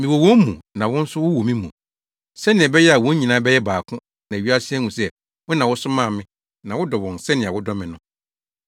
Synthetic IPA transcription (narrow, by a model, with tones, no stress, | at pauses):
mĩ˨wo˨wɔ̃˦m˦mũ˨nã˨wʊ̃˦n̩˦sʊ˦wʊ˦wo˨mĩ˦mũ˨ | sɛ˦nɪ̃˨ɛ˨bɛ˦jɛ˦a˨wɔ̃˨˦ɲĩ˨nãː˨˦bɛ˦jɛ˦baː˨kʰʊ̃˦ | nã˨ɥi˦a˦sɪ˦ɛ˦ŋũ˨sɛ˦ | wʊ˦nã˨wʊ˦sʊ˦mã˦˨mɪ̃˦ | nã˨wʊ˦dɔ˨wɔ̃˨nsɛ˦nɪ̃˨a˨wʊ˦dɔ˦mɪ̃˨nʊ̃˦